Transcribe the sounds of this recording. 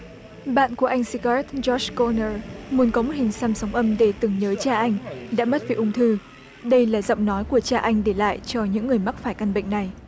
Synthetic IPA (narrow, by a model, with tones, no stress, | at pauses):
ɓa̰ː˧˨nku˧˩əʔa˧ŋ̟si˧ɣa˧˩˦t̚zɔ˦˥skɔ˧nəː˧mu˨˦ənkɔ˨˦mo˨˩t̚hï˨˩ŋ̟saː˧msa˨˦wŋ͡mʔə˧mɗe˧˩t̪ɨ˨˩ŋɲəː˨˦t͡ɕaː˧ʔa˧jŋ̟ɗa̰ː˧˥mə˦˥t̚vi˨˦˨ʔʊ˧ŋ͡mt̪ʰɨ˧ | ɗə˧jlaː˨˩zɔ̰˧˨wŋ͡mnɔ˨˦jku˧˩ət͡ɕaː˧ʔa˧jŋ̟ɗe˧˩la̰ː˧˨jt͡ɕɔ˧ɲɨ̰˧˥ŋːɨ˨˩əjma˦˥t̚faː˧˩jka˧nɓə̰˧˨ŋ̟na˨˩j